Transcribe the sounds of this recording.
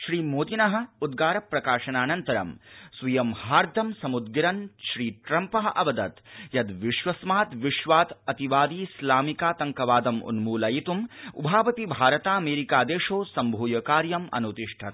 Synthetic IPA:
ʃɾiːmoːd̪inɐɦɐ̆ud̪ɡaːɾɐpɾɐkaːʃɐnaːnɐnt̪ɐɾɐ̰msʋɐjɐmhaːɾd̪ʱɐmsɐmud̪ɡiɾɐnʃɾiːʈɾɐmpɐɦɐʔɐʋɐd̪ɐt̪jɐd̪ʋiʃʋɐsmaːt̪ʋiʃʋaːt̪ɐt̪iʋaːd̪iːslaːmikaːt̪ɐŋkɐʋaːd̪ɐmṵnmuːlɐjit̪umṵbʱaːʋɐt̪ibʱaːɾɐt̪aːɐmeːɾikaːd̪eːʃoːsɐmbʱuːjɐkaːɾjɐmɐ̰nut̪iʂʈʰɐt̪

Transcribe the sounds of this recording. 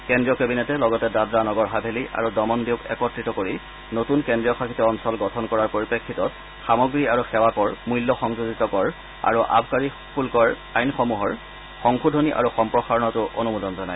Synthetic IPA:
kendɹijɔkebinɛtɛlɔɡɔtɛdadɹanɔɡɔɹɦabʱeliʔa̰ɹudɔmɔndiʊkɛ̰kɔtɹitɔkoɹi | notunkendɹijɔxaxʰitɔɔnsɔlɡɔtʰɔnkɔɹaɹpoɹipekʰːitɔt̚ | xamɔɡɹiaɹuxɛwakɔɹmujlːɔxɔŋzuzitɔkɔɹ | a̰ɹuʔa̰bʱkaɹi | pʰulkɔɹ | ajnxɔmuɦɔɹ | xɔŋxudʱoniʔa̰ɹuxɔmpɹɔxaɹɔnɔtʊʔonumudɔnzɔnaj

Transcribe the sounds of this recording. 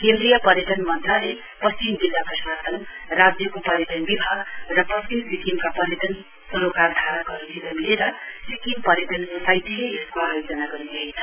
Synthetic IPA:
kend̪ɾijʌpʌɾjeʈ̪ʌnmʌnt̪rale | pʌst͡ʃimd͡zilːapʌsasʌn | rad͡zjʌkopʌɾjeʈ̪ʌnbibʱaɡrʌpʌst͡ʃimsikimkapʌɾjeʈ̪ʌn | sʌɾokard̪ʱaɾʌɡʌɾut̪ʰibʱʌnileɾʌsikimpʌɾjeʈ̪ʌnosajt̪ʰeeskoajod͡zʌnaɡʌɾint͡sʰʌjt͡sʰʌ

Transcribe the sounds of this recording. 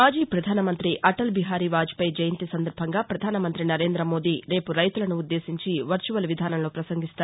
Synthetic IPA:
maːd͡ʒiːpɾɐd̪ʱaːnɐmɐnt̪ɾiʔɐʈɐlbiɦaːɾiʋaːd͡ʒpɐjd͡ʒɐjɐnt̪isɐnd̪ɐɾbʱɐŋɡaːpɾɐd̪ʱaːnɐmɐnt̪ɾinɐɾe̞ːnd̪ɾɐmo̞ːd̪iːɾe̞ːpuɾɐjt̪ulɐnuud̪ːe̞ːsiɲt͡ʃiʋɐɾt͡ʃuʋɐlʋid̪ʱaːnɐmloːpɾɐsɐŋɡʱist̪aːɾ

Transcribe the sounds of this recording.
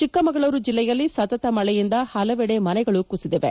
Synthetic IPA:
t͡ʃikːɐmɐɡɐɭoːɾud͡ʒilːɛjɐlːisɐt̪ɐt̪ɐmɐɭɛjind̪ɐhɐlɐʋɛɽemɐnɛɡɐɭukusid̪ɛʋḛ

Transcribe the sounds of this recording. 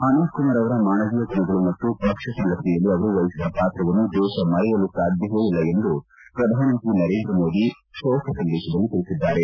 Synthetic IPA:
anɐːd̪kumaːɾɐʋɐɾɐmaːnɐɡiːjɐɡ̪inɐɡɐɭumɐt̪ːubʱɐkʂɐsɐnlɐsɛjɐlːiɐʋɐɾuʋɐjisid̪ʱɐpaːt̪ɾɐʋɐnːud̪ɛːʃɐmɐɾɛjɐlusaːd̪ʱjɐɦeːjilːɐe̞nd̪upɾɐd̪ʱaːnɐnt̪inɐɾe̞ːnd̪ɾɐmo̞ːd̪i | ʃɔːkʰɐsɐnːeːʃɐd̪ɐnːut̪iɭisid̪ːaːɾe

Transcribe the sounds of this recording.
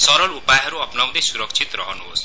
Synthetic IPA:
sɔɾɔlupajɦɔɾuɔpnaw̃d̪esuɾɔkt͡ʃʰit̪ɾɔɦɔnuɦo̰s

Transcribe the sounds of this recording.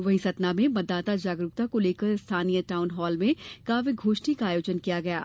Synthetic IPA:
ʋɐɦisɐt̪namẽmɐtd̪ːaːt̪ad͡ʒaːɡɾʊk̚t̪akoleːkəɾɪst̪ʰaːnijəʈaːʊnɦɔːlmẽkaːfiɡʱoːʃʈikaːjoːd͡ʒənkijaɡɐja̰ː

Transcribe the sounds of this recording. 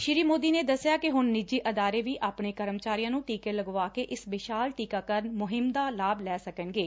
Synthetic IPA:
ʃɪɾiːmoːd̪iːneːd̪əsːjaːkɪɦʊnːɪd͡ʒiːʔəd̪aːɾeːʋiːʔaːpɳeːkəɾəmt͡ʃaːɾijãːnũːʈiːkeːləɡʋaːkeːʔɪsbɪʃaːlʈiːkaːkəɾnmʊɦɪmd̪aːlaːblɛːsəkənɡeː

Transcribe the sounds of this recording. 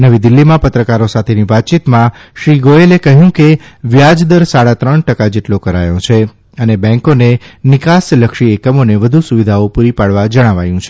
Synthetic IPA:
nəʋid̪ilːimãpət̪ɾəkaɾosat̪ʰeniʋat̪̚t͡ʃit̪mãʃɾiɡoelekəɦjũkeʋjad͡ʒd̪əɾsaɽat̪ɾəɳʈəkad͡ʒeʈlokəɾa̰jõt͡ʃʰe | ənebɛ̃ŋkonenɪkasləkʃiekəmoneʋəd̪ʱusuʋid̪ʱaopuɾipaɽʋad͡ʒəɽ̃aʋa̰jũt͡ʃʰe̥

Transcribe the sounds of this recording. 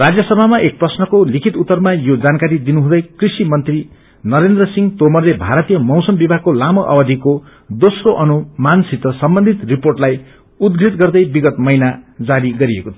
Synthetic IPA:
rad͡zjʌsʌbʱamaʔek̚prʌsnʌkolikʰit̪ut̪ːʌrmajod͡zankaɾid̪inuɦũd̪ʌjkrisimʌnt̪ri | nʌɾend̪rʌsiŋt̪omʌrlebʱaɾʌt̪ijʌmʌwsʌmbibʱakolamʌʔʌ̰bʌd̪ʱiko | d̪osroʔʌnumansit̪ːʌsʌmbʌnd̪ʱit̪riporʈlaj | ud̪̚ɡɾit̪ɡʌrd̪ʌjbiɡʌt̪mʌjnad͡zaɾiɡʌɾiekot̪ʰ

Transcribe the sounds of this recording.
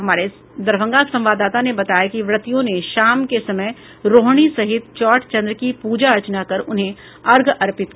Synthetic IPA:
ɦɐmaːɾe | d̪ɐɾbə̃ŋɡasɐ̃mʋaːd̪aːt̪anebɐt̪aːjakiʋɾɐt̪ijõneʃaːmkesɐməj | ɾoːɦɽ̃isɐɦɪt̪t͡ʃɔːʈʰt͡ʃɐ̃nd̪ɾəkipuːd͡ʒaɐt͡ʃnakɐɾʊnɦẽ | ɐɾɡɐɾpɪt̪̚

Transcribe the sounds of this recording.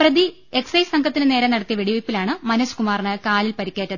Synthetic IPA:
prɐði | e̞ksɐjsɐŋɡʰʱɐt̪ːinɨne̞ːɾɐnɐɽɐt̪ːijɐʋiɽiʋɐpːilaːɳɨmɐnɐsu̥kumaːrɳɨkaːlilpɐɾikʲːeːtːɐðɨɨ

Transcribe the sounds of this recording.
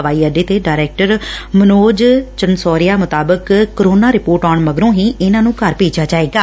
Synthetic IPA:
ʋaːiːɛɖeːt̪eːɖaːɾɛːk̚ʈəɾmənoːd͡ʒt͡ʃənsɔːɾɪjaːmʊt̪aːbəkkːɾoːnaːɾɪpoːɾʈaːɳməɡɾõːɦiːɪnãːnũːkəɾpeːd͡ʒjaːt͡ʃaːeːɡaː

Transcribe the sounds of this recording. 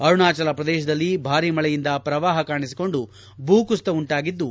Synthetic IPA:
ɐɾuɳaːt͡ʃɐlɐpɾɐd̪ɛːʃɐd̪ɐlːibʱaːɾiːmɐɭɛjind̪ɐpɾɐʋaːɦɐkaːɳisi̥ko̞ɳɖu | bʱuːkust̪ɐuɳʈaːɡid̪ːu

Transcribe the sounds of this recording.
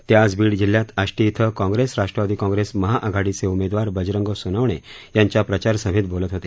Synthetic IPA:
t̪jad͡zbiːɽd͡ʑilːjãt̪əɕʈit̪ʰəkãŋɡɾesɾaʂʈɾəʋad̪iːkãŋɡɾesməɦaʔəɡʱaɽit͡seumed̪ʋaɾbəd͡ʑɾəŋɡəsunəʋɳ̃e | jaɲt͡ɕjapɾət͡ɕaɾsəɦit̪̚bolət̪ɦot̪e

